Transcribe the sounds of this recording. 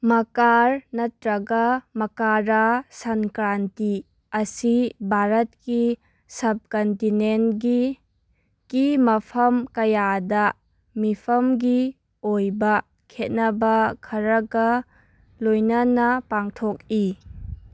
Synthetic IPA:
mɐkaɾnɐtɾɐɡɐmɐkaɾasɐnkɾanti | ɐsibʱaɾɐt̚ki | sɐb̚kɐntinentɡi | kimɐpʰɐmkɐjadɐ | mipʰɐmɡi | ojbɐ | kʰet̚nɐbɐkʰɐɾɐɡɐ | lojnɐnɐpaŋtʰok̚i

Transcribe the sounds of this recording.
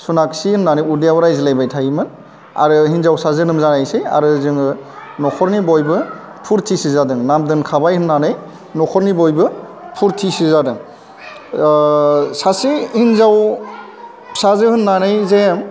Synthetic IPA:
sunaksihɯnnanɯjudijawɾajzilajbajtʰajimɯn | a̰ɾɯɦinzawsazɯnɯmzanajsɯja̰ɾɯzɯŋɯnɔkʰɔɾnibɔjbɯ | pʰuɾtʰisizadɯŋnamdɯnkʰabajhɯnnanɯj | nɔkʰɔɾnibɔjbɯ | pʰuɾtʰisizadɯŋ | sasihinzaw | sazɯhɯnːanɯjzem

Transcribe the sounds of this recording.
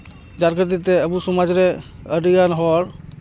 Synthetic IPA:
d͡ʒaɾkʰəd̪it̪eəbusumad͡ʒɾe | əɖijanɦɔɾ

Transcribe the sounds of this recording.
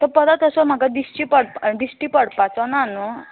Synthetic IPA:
t̪əɾpəd̪at̪əsəm̤aɡad̪isʈipəɽpd̪isʈiːpəɽpat͡sɔnanu

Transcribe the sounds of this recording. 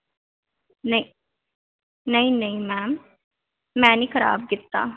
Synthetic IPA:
nəi | nəĩnəĩmɛːmː | ɛ̃ːnikʰəɾa̰ːb̚ɡɪt̪ːa̰ː

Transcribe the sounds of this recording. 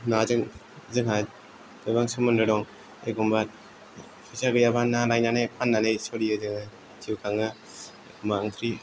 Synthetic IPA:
nazɯŋ | zɯŋɦa | dɯbaŋsɯmɯnɾɯɾɔŋ | ḛɡɔmbat̚ | pʰizaɡɯjabanːalajnanajpʰanːanajsɔɾiɯzɯŋɯ | tiwkʰaŋɯ | ɔmaɯŋt̪ʰɾi

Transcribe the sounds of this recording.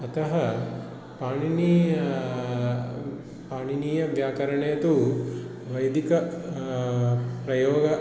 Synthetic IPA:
ɐt̪ɐɦɐ | paːɳini | paːɳiniːjɐʋjaːkɐɾɐɳeːɐt̪u | ʋɐjd̪ʱikɐ | pɾɐjɔːɡɐ

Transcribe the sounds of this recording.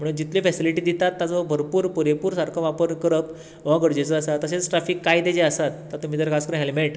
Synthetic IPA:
m̤əɽ̃uːnd͡ʑit̪lefɛsiliʈiːd̪it̪at̪ːat͡sɔbʱəɾpuːɾpuɾepuːɾsaɾkʰəʋapəɾkəɾəp | ʋaɡəɽd͡ʑet͡səəsat̪ːəset͡sʈɾafiːkːajd̪ed͡ʑeəsat̪ːəɾt̪um̤iːt̪əɾkʰaskəɾəɳɦelmeʈ

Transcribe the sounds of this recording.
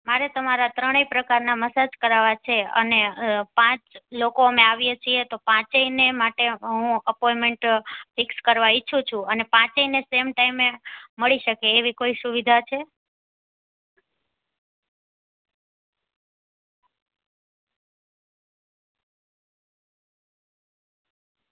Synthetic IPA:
maɾet̪əmaɾat̪ɾəɽ̃eipɾəkaɾnaməsad͡ʒkəɾaʋat͡ʃʰeə̰nepãt͡ʃlokoəmẽaʋjet͡ʃʰiet̪opãt͡ʃeinemaʈeɦũəpɔjmeɳʈfɪkskəɾʋait͡ʃʰũt͡ʃʰũənepãt͡ʃeinesemʈaimeməɭiʃəkeːʋikoisuʋid̪ʱat͡ʃʰe

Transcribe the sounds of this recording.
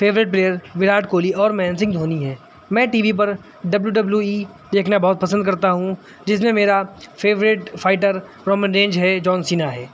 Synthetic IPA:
feːʋɾɪʈ̚pleːjəɾʋɪɾaːʈkoːliɔːɾmɛ̃ːnsɪ̃ŋɡd̪ʱoːniɦɛː | mɛ̃ːʈiːʋip̬ɐɾ | ɖɐbljuɖɐbljuiː | d̪eːkʰnabɔɦʊt̪̚pɐsə̃nd̪kɐɾt̪aɦũ | d͡ʒɪs̬mẽmeːɾafʰeːʋɾɪʈfʰaːɪʈəɾ | ɾɔːmə̃nɾẽːɲd͡ʒɦɛd͡ʒɔːnsiːnaɦɛː

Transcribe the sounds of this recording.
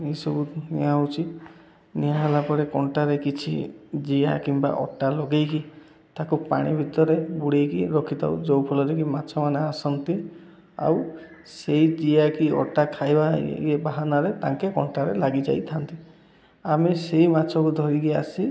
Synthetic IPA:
ejsɔbunḭawt͡ʃʰi | niaɦelapɔɾekɔɳʈaɾekit͡ʃʰḭd͡ʒija̰kimba̰ʔɔ̰ʈalɔɡejki | t̪akupaɽ̃ibʱit̪ɔɾebuɽejkiɾɔkʰit̪a̰ud͡ʒɔwpʰɔlɔɾek̬imatːt͡ʃʰɔmaneasɔnt̪i | a̰w | seid͡ʒijakiɔ̰ʈakʰajbaḭebaɦanaɾet̪ãŋkekɔɳʈaɾelaɡid͡ʒa̰jt̪ʰant̪i | amesejmatːt͡ʃʰɔkud̪ʱɔɾikiasi

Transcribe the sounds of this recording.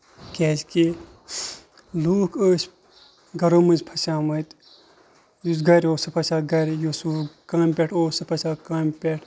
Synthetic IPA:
kʲɛːd͡ʒke | luːkʰəːsʲ | ɡɐɾoːmɐnzpʰɐsaːmɐt̪ | jus̬ɡɐɾʲoːsɨpʰɐʃaːɡɐɾʲjoːsukãːmʲpʲeʈʰoːsɨpʰɐsaːkaːmʲpʲeʈʰ

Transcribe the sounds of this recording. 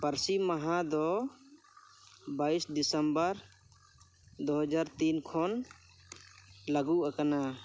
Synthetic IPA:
paɾsimaɦãd̪ɔ | baisd̪isəmbəɾ | d̪oɦəd͡ʒaɾt̪inkʰɔn | laɡuʔakana

